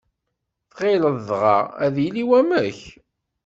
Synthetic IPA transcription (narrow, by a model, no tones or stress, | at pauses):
θʁeləððʁɑ̰æ̰ðjliwæmæç